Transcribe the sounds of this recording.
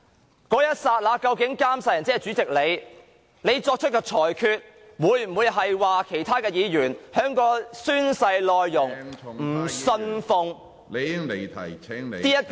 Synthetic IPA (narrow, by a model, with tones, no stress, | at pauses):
kɔː˨˥jɐ˥t̚saː˧t̚laː˨˧kɐ˧wkɪ˨˥ŋkaː˥msaː˧jɐ˨˩nt͡sɛː˥˨t͡syː˨˥t͡sɪ˨k̚le˨˧j | ne˨˧jt͡sɔː˧k̚t͡ʃʰɵ˥t̚kɔː˧t͡ʃʰɔː˨˩jkʰyː˧t̚ | wuː˨˧˥jm̩˨˩wu˨˧jɦɐ˨jwaː˨kʰe˨˩jt̪ʰaː˥kɛː˧jiː˨˧jyː˨˩nhœː˨˧˥ŋkɔː˧syː˥nsɐ˧jlɔː˨jːʊ˨˩ŋm̩ː˨˩sɵ˧nfʊ˨ŋ | e˨˧˥le˨˩jt̪ʰɐ˨˩jʰɛ˥ŋ˨t̪iː˥jɐ˥t̚